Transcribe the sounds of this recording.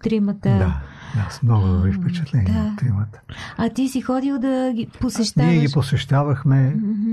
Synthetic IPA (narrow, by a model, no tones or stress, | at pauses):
t̪ɾimət̪ədd̪ajasmnɔɡodifpɛt͡ʃɛ̥t̪lɛniɛt̪ɾimət̪ə̥ɐt̪isixɔd̪ilˠd̪ɐɡʲiposɛʃt̪niɛɡiposɛʃt̪avɐxmɛ